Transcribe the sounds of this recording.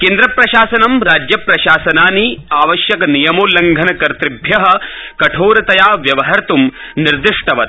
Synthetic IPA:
keːnd̪ɾɐpɾɐʃaːsɐnɐmɾaːd͡ʒjɐpɾɐʃaːsɐnaːniaːʋɐʃjɐkɐnijɐmoːlɐŋɡʱɐnɐkɐɾt̪ɾibʱjɐɦɐ̆kɐʈʰoːɾɐt̪ɐjaːʋjɐʋɐɦɐɾt̪umniɾd̪ɪʂʈɐʋɐt̪̚

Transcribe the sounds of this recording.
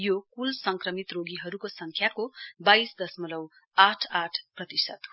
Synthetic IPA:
jokulsʌŋkrʌmit̪roɡiɦʌɾukosʌŋkʰjakobaisd̪ʌsmʌlʌw | aʈʰaʈʰprʌt̪isʌ̰t̪ɦ

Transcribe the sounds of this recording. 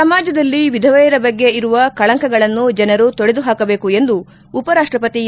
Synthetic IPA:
ɐmaːd͡ʒɐd̪ɐlːiʋid̪ʱɐʋɐjɐɾɐbɐɡːe̞iɾuʋɐkɐɭɐŋkɐɡɐɭɐnːud͡ʒɐnɐɾut̪oɽed̪uɦaːkɐbe̞ːkue̞nd̪uː | pɐɾaːʂʈɾɐpɐt̪i

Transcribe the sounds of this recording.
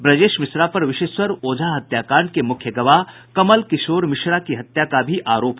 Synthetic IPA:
bɾɐd͡ʒeːʃmɪsɾapɐɾʋɪʃeːʃwɐɾoːd͡ʒʱaɦɐt̪jaːkaːɾɳɖ̚kemʊkʰjəɡɐʋa | kɐməlkɪʃoːɾmɪʃɾakiɦɐt̪jakabʱiʔaːɾoːp

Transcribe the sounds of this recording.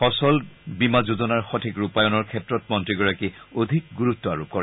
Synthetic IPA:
xɔsɔlbimazuzɔnaɹxɔtʰikɹupajɔnɔɹkʰɛtɹɔtmɔntɹiɡɔɹakiodʱik̚ɡuɹutːɔa̰ɹup̚kɔɹɛ

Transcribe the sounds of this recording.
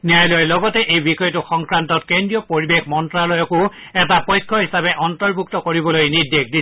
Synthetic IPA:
nijajlɔjlɔɡɔtɛʔejbixɔjɔtʊxɔŋkɹantɔtkendɹijɔpoɹibexmɔntɹalojɔkʊ | ɛtapɔjkʰːɔɦisabɛʔɔntɔɹbʱuktɔkoɹibɔlojnidekdi

